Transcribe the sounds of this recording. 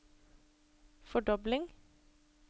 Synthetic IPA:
fɔɖɔblɪŋ

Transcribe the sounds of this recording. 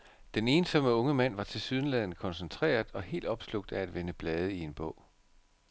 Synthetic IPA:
d̥ene̝ːnsɒ̽məɔ̽ŋəmæn̰ʋɑ̈t͡sʰe̝syð̞ˠn̩læð̰ˠn̩kʰɒ̽nsent͡sʰʁḛːɐð̩ˠɒ̽he̝̰ːld̥ɒ̽b̥slɔ̽ɡ̥̚d̥ææd̥ʋe̝nəb̥lɛːð̞ˠəie̝nb̥ɔ̰̽ʊ̰

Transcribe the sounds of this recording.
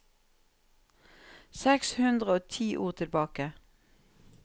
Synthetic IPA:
sɛkshʉnd̪ʁəoːt̪ʰiːʔṵːʁt̪ʰɪlbɑːkə

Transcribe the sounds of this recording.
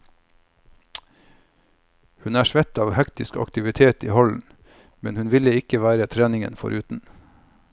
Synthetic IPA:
hʉnæːʃʋɛt̪ɑːʋhɛkt̪ɪskɑ̰kt̪ɪʋɪt̪ʰeːt̪ḭːhɔln̩ | mɛnhʉnʋɪləɪkəʋæːɾət̪ʰɾæːnɪŋə̰nfɔ̰ɾʔʉːt̪n̩

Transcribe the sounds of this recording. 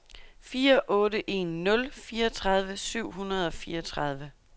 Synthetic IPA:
fiːɐʔɔ̽ːɾəʔe̝̰nːɔ̽lfiːɐɒt͡sʰʁɑ̈ð̞ˠʋəsyʊ̰ɦunɐð̞ˠɒ̽fiːɐɒ̽t͡sʰʁɑð̞ˠʋə

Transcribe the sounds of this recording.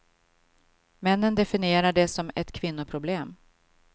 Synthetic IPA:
mɛnːənd̪ɛfɪnɪeːɾaɖɛsɔmɛt̪kʰvɪnːʊpʰɾʊbleːm

